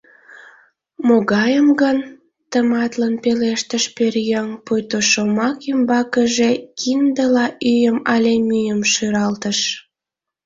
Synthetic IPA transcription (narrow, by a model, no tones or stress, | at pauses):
moɣɑjəmɡən | t̪əmɑt̪lənpeleʃt̪əʃperjəŋpujt̪oʃomɑkymbɑkəʒekʰind̪əlɑʔyjəmɑlʲemyjəmʃyɾɑlt̪əʃ